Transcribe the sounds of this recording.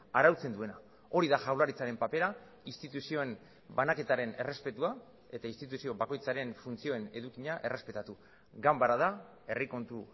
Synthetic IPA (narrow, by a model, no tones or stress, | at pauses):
aɾawt͡se̞nd̪ue̞na | o̞ɾiðaʝawlaɾit͡saɾe̞mpape̞ɾa | ist̪it̪usio̞en | banake̞t̪aɾe̞ne̞re̞spe̞t̪ua | e̞t̪aist̪it̪̬usio̞βako̞jt͡saɾe̞nfunt͡sio̞ene̞ðukiɲaʔe̞re̞spe̞t̪at̪u | ɡambaɾaða | e̞riko̞nt̪u